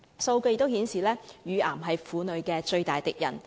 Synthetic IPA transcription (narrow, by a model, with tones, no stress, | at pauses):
so˧wkɵ˧jt̪ːwhiː˨˥nsiː˨lɛː˥jyː˨˧aː˨˩mɦɐ˨jfuː˨˧nɵ˨˧ɥkɛː˧t͡ʃɵ˧ɥt̪aː˨jt̪ɪ˨k̚jɐ̰˨˩n